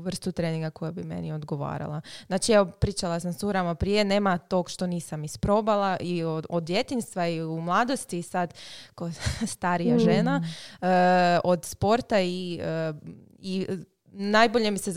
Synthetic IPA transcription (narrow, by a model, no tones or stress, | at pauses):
ʋr̩st̪ut̪ɾeːniŋɡako̞jabimḛnio̞d̪ɡo̞ʋa̰ːɾa̰lˠaznaːt͡ʃiɛopɾiːt͡ʃalˠasamsuɾamapɾije̞ne̞ːmat̪o̞ɡʃt̪o̞niːsamispɾo̞balˠaʔiood̪je̞t̪inst̪ʋaiumlˠaːd̪o̞st̪iːsad̪kost̪aːɾijaʒenaəod̪spo̞ɾt̪ai | i | najboʎe̞misez